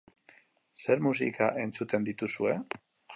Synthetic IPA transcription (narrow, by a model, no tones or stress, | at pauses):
se̞ɾmus̬ḭkaʔe̞nt͡sut̪e̞nd̪it̪usue̞